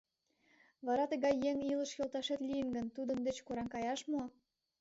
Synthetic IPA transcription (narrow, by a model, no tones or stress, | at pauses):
βɑɾɑt̪əɣɑjːeŋilə̆ʃjølt̪ɑʃet̪lʲijənɡə̆nt̪ud̪ə̆nd̪et͡ɕkoɾɑŋkɑjɑʃmuɑ